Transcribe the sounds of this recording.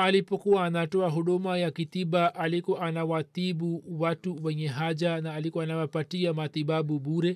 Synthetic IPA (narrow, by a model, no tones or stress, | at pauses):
alipɔkuwaːnatɔaɦuɗumajakit̪iɓaʔalikɔʔanawaθiɓuwatuwɛɲɛɦad͡ʒanaːlikɔanawapatiamat̪iɓaɓuɓuɾɛ